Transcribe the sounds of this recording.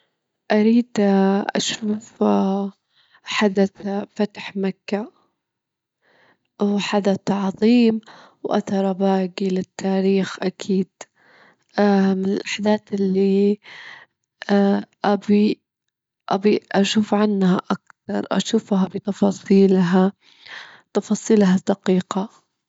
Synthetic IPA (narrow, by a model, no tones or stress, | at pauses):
ʔaɾiːd̪ʔa̰ʃuːf | ħad̪at̪fat̪ħmakːa | wħad̪at̪ʕɑðˤiːm | wʔa̰θɑɾˤɑbaːɡilɪt̪ːaːɾiːxʔakʰiːd̪̥ | amɪnɪlʔaħd̪aːt̪ɪlːi | ʔabi | ʔabiʔaʃuːfʕanːhaʔakθɑɾˤʔa̰ʃuːfɦabɪt̪ɑfɑːsˤiːlɦa | t̪ɑfɑːsˤiːlɦad̪ɑqiːqa